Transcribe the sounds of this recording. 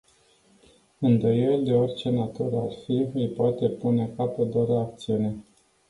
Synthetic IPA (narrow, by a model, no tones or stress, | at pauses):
ɨnd̪o̞je̞ld̪e̞o̞rʲt͡ʃe̞nat̪uɾəarfiɨjpoat̪e̞puneakapəd̪aɾəak̚t̪siune̞